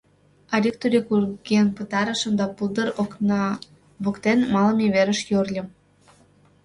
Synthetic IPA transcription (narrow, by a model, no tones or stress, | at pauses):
ɑɾʲik̚t̪uɾʲekurɡenpət̪ɑɾə̆ʃə̆md̪ɑpuld̪əɾon | βukt̪enmɑlə̆mʲeβeɾə̆ʃjørlʲə̆m